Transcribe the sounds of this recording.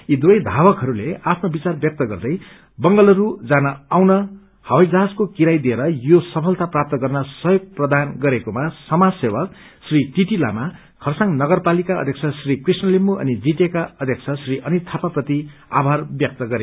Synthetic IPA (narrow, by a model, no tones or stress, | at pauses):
id̪uʌjd̪ʱabʌkɦʌɾuleapʰnobit͡sarbjʌk̚t̪ʌɡʌrd̪ʌj | bʌŋɡʌlʌɾud͡zanʌawnʌ | hʌwajd͡zaɦad͡zkokiɾajd̪ieɾʌjosʌpʰʌlt̪aprap̚t̪ʌɡʌrnʌsʌjoɡ̚prʌd̪anɡʌɾekomasʌmad͡zsebʌk | sriʈiʈila̰ma | kʰʌrsaŋnʌɡʌrpalikaʌ̰d̪ʱek̚t͡sʰʌsrikrisnʌlimuʔʌ̰nid͡ziʈekaʌd̪ʱjʌkt͡sʰʌsriʔʌnit̪ʰapaprʌt̪ia̰bʱarbjʌk̚t̪ʌɡʌɾeo